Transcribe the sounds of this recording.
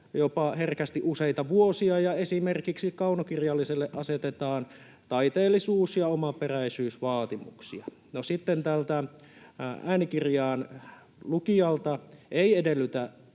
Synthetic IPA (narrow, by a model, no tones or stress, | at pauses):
jopɑherkæst̪iʔuseit̪ɑʋuosiɑjɑesimerkiksikɑunokirjɑlːiselːeʔɑset̪et̪ɑːn | t̪ɑit̪eːlːisuːsjɑomɑperæisyːsʋɑːt̪imṵksiɑ | nosit̪ːent̪ælt̪æ | æːnikirjɑːn | lukiɑlt̪ɑeiedelːyt̪æ